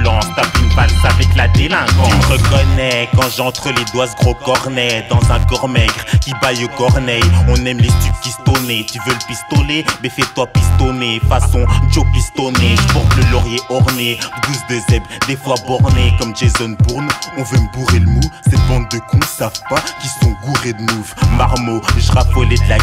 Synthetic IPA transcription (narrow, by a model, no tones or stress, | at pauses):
lɑ̃st̪afinpaavɛklad̪elɛ̃kɑ̃ʁəkɔnɛkɑ̃ʒɑ̃t̪χəled̪wasɡʁokɔʁnɛd̪ɑ̃zɛ̃kɔʁmɛɡʁkʲibajokɔʁnɛjɔ̃nɛmlest̪yp̚kʲist̪ɔnet̪yvøləpist̪ɔlemɛfɛt̪wapist̪ɔnefasɔ̃d͡ʒopist̪ɔneʒəpɔʁt̪ləlɔʁjeɔʁned̪usd̪əzɛbd̪efwabɔʁnekɔmʒezɔnbuʁnɔ̃vøməbuʁeləmusɛt̪̚bɑ̃d̪̚ːəkɔ̃savpakʲisɔ̃ɡuʁed̪nuvmaʁmoʒəʁafɔled̪əla